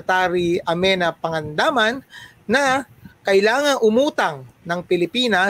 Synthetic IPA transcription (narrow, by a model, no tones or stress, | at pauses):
t̪aːɾiɐmɛnɐpɐŋɐnd̪aːmɐnː | ɐkɐʔɪlaːŋɐŋʔʊmuːt̪ɐŋnɐŋpɪlɪpiːnɐ